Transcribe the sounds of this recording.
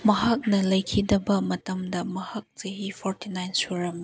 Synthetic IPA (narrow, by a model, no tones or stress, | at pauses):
mɐɦak̚nɐlɐjkʰidɐbɐmɐtɐmdɐmɐhak̚t͡ʃɐɦipʰɔɾtinajnsuɾɐm